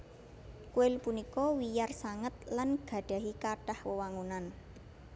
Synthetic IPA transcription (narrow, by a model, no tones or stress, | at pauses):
kuɪlpunikɔwijarsaŋət̪̚lanɡ̥ä̤ɖ̥a̤ɦikaɖ̥ahwəwaŋunan